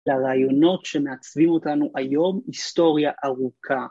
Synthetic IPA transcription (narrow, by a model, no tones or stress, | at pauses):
laʁaːjo̞no̞tʃeme̞at͡svimo̞tanuʔajo̞mist̪o̞ʁjaʔaʁukʰa